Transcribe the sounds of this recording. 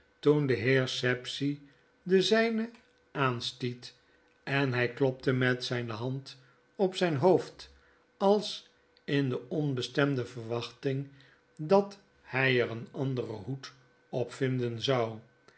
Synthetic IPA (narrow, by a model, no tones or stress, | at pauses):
tundəɦɪːɹsɛpsi | dəzɛjnə | aːnstit | ɛnɦɛjklɔp̚təmɛtsɛjnəɦɑnt | ɔpsɛjnɦoft | ɑlˠs | ɪndəɔnbəstɛmdəvəɹʋɑχtɪŋ | dɑt | hɛjəɾənɑndərə̰ɦut | ɔpfɪndənzɑw